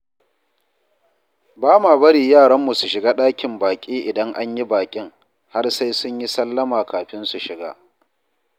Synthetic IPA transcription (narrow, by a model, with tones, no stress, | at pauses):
baː˦maː˨bɐ˦ɽiː˨jaː˦˨ɽɐ˦mːu˨su˨ʃɪ˨ɡaː˦ɗaː˦kʲɪ˨mbaː˨kʲʼiː˦ʔɪ˨dɐ˦ŋʔa˦ɲji˦baː˨kʲʼɪ˦ŋ | ha˦rsa˦jsʊ˦ɲji˦sɐ˦lːɐ˦maː˨kaː˨ɸɪ˦nsu˨ʃɪ˨ɡa̰ː˦